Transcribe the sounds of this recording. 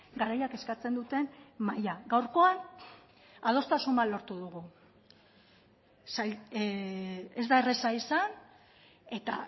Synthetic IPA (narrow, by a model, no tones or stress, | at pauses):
ɡaɾajake̞skat͡se̞nd̪ut̪e̞nmajaɡawɾko̞an | að̞o̞st̪asumbalo̞ɾt̪uðuɣu | saj | e̞zd̪ae̞re̞saisan | e̞t̪a̰